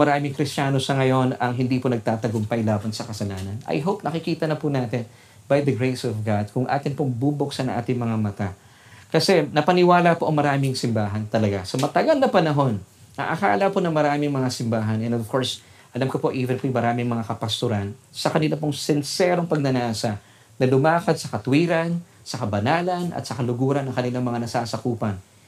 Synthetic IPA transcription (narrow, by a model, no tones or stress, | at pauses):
mɐɾaːmɪŋkɾɪst͡ʃaːno̞sɐŋɐjo̞nɐŋɦɪnd̪iːponɐɡ̚t̪aːt̪ɐɡʊmpɐjlaːbɐnsɐkɐsɐlaːnɐnɐ̰jɦowp̚nɐkɪkiːt̪ɐnɐpʊnaːt̪ɪn | bɐjd̪ɐɡɹejsɔvɡad̪̚kʊŋʔa̰ːt̪ɪnpoŋbuboksɐnɐŋʔa̰ːt̪ɪŋmɐŋamɐt̪a | kɐsɛnɐpɐnɪwaːlɐpoʔɐŋmɐɾaːmɪŋsɪmbaːɦɐnt̪ɐlɐɡasɐmɐt̪ɐɡɐlnɐpɐnɐɦo̞n | ɐ̰ʔɐka̰ːlɐponɐŋmɐɾaːmɪŋmɐŋasɪmbaːɦɐnɛ̃nɔv̥ko̞ɹs | ʔɐlamkopo̞ʔiːvɛnt̪imɐɾaːmɪŋmɐŋakɐpɐst̪ʊɾansɐkɐnɪlap̬oŋsɪnsɛːɾo̞ŋpɐɡ̚nɐnaːsɐ | nɐlʊmaːkɐd̪̚sɐkɐt̪ʊwiːɾɐn | sɐkɐbɐnaːlɐnɐ̰t̪sɐkɐlʊɡuːɾɐnːɐŋkɐnɪlaŋmɐŋanɐsaːsɐkuːpɐn